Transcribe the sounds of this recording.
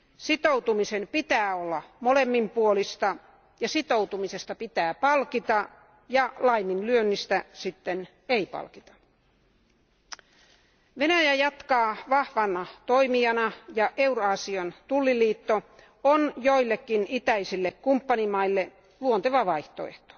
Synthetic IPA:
sit̪out̪umisempit̪æːolːɑmolemːimpuolist̪ɑ | jɑsit̪owt̪umisest̪ɑpit̪æːpɑlkit̪ɑ | jɑlɑiminlyønːist̪æsit̪ːen | eipɑ̰lkit̪ɑ̥ | ʋenæjæjɑt̪kɑːʋɑhʋɑnɑt̪oimiɑnɑjɑʔeuroɑsiont̪ulːiliːt̪ːo | onjoilːekːinit̪æisilːekkumpːɑnimɑilːe | luont̪eʋɑʋɑiht̪oḛht̪o̥

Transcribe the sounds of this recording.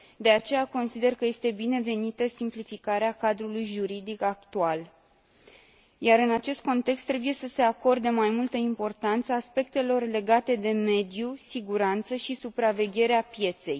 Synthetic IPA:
d̪e̞at͡ʃe̞jako̞nsid̪e̞rkəje̞st̪e̞bine̞ve̞nit̪əsimplifikaɾeakad̪ɾulujʒuɾid̪ikak̚t̪ual | jaɾɨnat͡ʃe̞st̪̚ko̞nt̪e̞kst̪ːɾe̞buje̞səse̞ako̞rd̪emajmult̪əimpo̞rt̪ant̪səːspe̞k̚t̪e̞lo̞rle̞ɡat̪e̞d̪e̞me̞d̪jusiɡuɾant̪səʃisupɾave̞ɡʲe̞ɾeapje̞t̪se̞̰j

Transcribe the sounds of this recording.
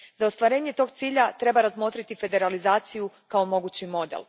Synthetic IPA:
zaost̪ʋaɾe̞ːɲe̞t̪o̞ːɡ̚t̪siːʎat̪ɾe̞baɾazmo̞t̪ɾit̪ife̞d̪e̞ɾalizaːt̪siju | kaomo̞ɡuːt͡ɕimo̞d̪ḛl

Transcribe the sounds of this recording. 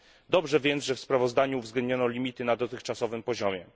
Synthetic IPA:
d̪ɔbʐɛvʲjɛnzʐɛfspɾavɔzd̪aɲuːvzɡlɛnd̪ɲɔnɔlʲimʲit̪ɘnad̪ɔt̪ɘxt͡ʂasɔvɘmpɔʑɔmʲjɛ

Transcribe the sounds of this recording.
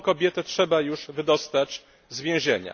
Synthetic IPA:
kɔbʲjɛt̪ɛtʂɛbajuʐvɘd̪ɔst̪at͡ɕ | zvʲjɛ̃w̃ʑeɲa̰

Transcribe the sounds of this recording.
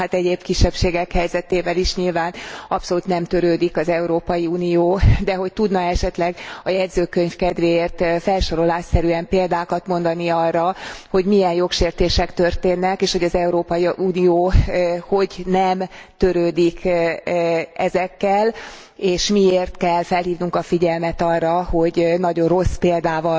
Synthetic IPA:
at̪ɛɟeːb̚kiʃːɛpʃeːɡɛkhɛjzɛt̪eːvɛliʃɲilvaːnɒpso̞luːt̪nɛmt̪øɾøːd̪ikɒzɛuɾoːpɒjiuːnijoːd̪ɛɦo̞c̚t̪ud̪nɒɛʃɛt̪lɛɡɒjɛd̪zøːkøɲfkɛd̪ʋeːeːrt̪fɛlʃoɾo̞laːʃsɛɾyɛmpeːld̪aːkɒt̪mo̞n̪d̪ɒniɒrːɒho̞ɟmijɛnjo̞kʃeːrt̪eːʃɛkt̪ørt̪eːnːɛkeːʃho̞ɟɒzɛuɾoːpɒjiuːnijoːho̞ɟnɛmt̪ø̞ɾøːd̪ikʰ | ɛzɛkːɛl | eːʃmieːrt̪kɛlfɛlɦiːvnuŋkɒfiɟɛlmɛt̪ɒrːɒho̞ɟnɒɟo̞nro̞speːld̪aːvɒ

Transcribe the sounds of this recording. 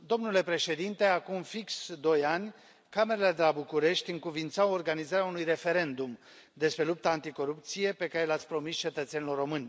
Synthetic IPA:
d̪o̞mnule̞pɾe̞ʃe̞d̪int̪e̞akumfiksd̪o̞janʲ | kame̞ɾeled̪e̞labukuɾe̞ʃt̪ʲɨŋkuvint̪saorɡanizaɾeaunujre̞fe̞ɾe̞nd̪um | d̪e̞spɾe̞lup̚t̪aːnt̪iko̞ɾup̚t̪sije̞pe̞kaɾe̞lat̪sʲpɾo̞mist͡ʃe̞t̪ət̪senilo̞rːo̞mɨnʲ

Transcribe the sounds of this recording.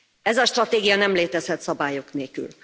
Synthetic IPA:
ɛzɒʃt̪rɒt̪eːɡijɒnɛmleːt̪ɛzhɛt̪sɒbaːjo̞kneːlky̰l

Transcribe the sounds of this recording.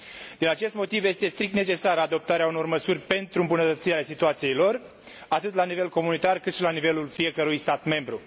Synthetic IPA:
d̪inat͡ʃe̞st̪mo̞t̪ivje̞st̪e̞st̪ɾik̚t̪net͡ʃe̞saɾəad̪o̞p̚t̪aɾeauno̞rməsurʲpe̞nt̪ɾuɨmbunət̪ət̪sieɾasit̪uat̪sije̞jlo̞r | at̪ɨt̪lanive̞lko̞munit̪arkɨt̪ʃilanive̞lulfije̞kəɾujst̪at̪me̞mbɾu

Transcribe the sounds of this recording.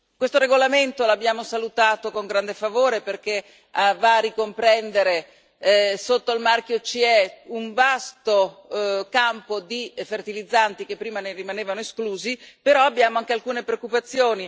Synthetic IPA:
kwest̪oɾeɡolament̪olabːjaːmosalut̪aːt̪okoŋɡɾand̪efavoːɾeperk̟e | avaːrikompɾɛnd̪eɾe | sot̪ːoilmark̟jot͡ʃiɛuɱvast̪o | kampod̪ifert̪ilid̪zːant̪ik̟epːɾiːmanerimaneːvanoeskluːzipeɾɔabːjaːmoaŋkealkuːnepɾeokːupat̪sːjoːni

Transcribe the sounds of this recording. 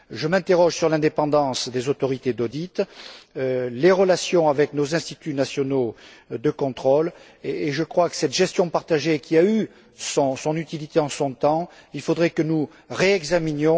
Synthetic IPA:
ʒəmɛ̃t̪eʁɔʒsyʁlɛ̃d̪epɑ̃d̪ɑ̃sd̪ezot̪ɔʁit̪ed̪od̪it̪ | leʁəlasjɔ̃avɛknozɛ̃st̪it̪ynasjɔnod̪əkɔ̃t̪χɔl | eːʒəkχwakə̥sɛt̪ʒɛst̪jɔ̃paʁt̪aʒekʲʰiay | sɔ̃sɔ̃nyt̪ilit̪eɑ̃sɔ̃t̪ɑ̃ilfod̪ʁɛkənu | ʁeɛɡzaminjɔ̃

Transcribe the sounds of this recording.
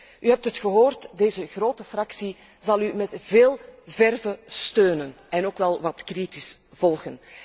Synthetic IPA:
yɦɛp̚tətxəɦoːrtdeːzəɣroːtəfrɑksi | zɑlˠymɛtveːlˠvɛrvəstøːnənʔɛnoːkʋɛlˠʋɑtkritisv̥ɔlˠɣən

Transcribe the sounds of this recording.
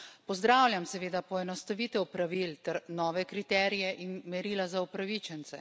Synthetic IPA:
pɔzd̪ɾaːwlʲjamsɛʋeːd̪apɔɛnɔst̪aʋit̪ɛwpɾaʋilt̪ɛɾnɔːʋɛkɾit̪ɛːɾijɛʔinmɛɾilazaupɾaʋit͡ʃɛnt̪sɛ

